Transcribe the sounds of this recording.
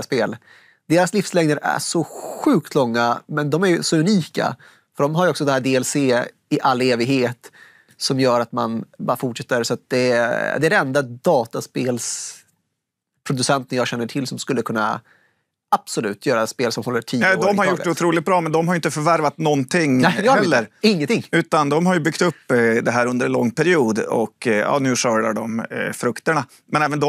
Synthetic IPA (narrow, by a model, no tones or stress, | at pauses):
speːl | d̪̥eːɾaslɪfslɛŋd̪əɾæ̰ʂɔɧʉ̟ːk̚t̪ʰlɔŋːamɛnd̪ɔmæɾjsɔʉniːka̰ | fœɖɔmɦaɾjɔksɔd̪ɛnæːɖeːɛlseː | ɪʔalːeːvɪɡheːt̪ | sɔmjœːɾat̪manbɑɾafʊʈʂɛt̪ːəɾsɔat̪̚d̪ɛd̪ɛæɖɛɛnd̪ad̪ɑːt̪aspeːls | pʰɾʊd̪ɵsɛnt̪ənjɑːɡɕɛnːəʈʰɪlsɔmskɵlːəkʰɵnːa̰ | ab̥sɔlʉ̟ːt̪ʰjœːɾaspeːlsɔmhɔlːəʈʰiːnɛd̪ɔmhaɾjjʊɖɛʊt̪ʰɾuːlɪɡt̪̚bɾɑːmɛnd̪ɔmhaɾjʏɪnt̪əfœɾvæɾvat̪nɔnt̪ʰɪŋːnɛɛlːəɾɪŋːənt̪ʰɪŋːʉ̟ːt̪and̪ɔmɦaɾjɵbʏkt̪ɵpːd̪ɛɦæːɾɵnd̪əɾɛnlɔŋːpʰæɾɪuːd̪ɔ̰kjɑ̰ːnʉ̟ːʂœːɖaɖɔmfɾɵkt̪əɳa | mɛnɛːvənd̪ɔ